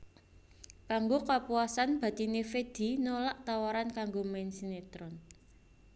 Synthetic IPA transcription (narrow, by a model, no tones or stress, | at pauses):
b̥aŋɡokapuasanb̥a̤t̪inefed̪̥i̤nolaʔt̪awaɾankaŋɡomɛnsinet̪ɾɔn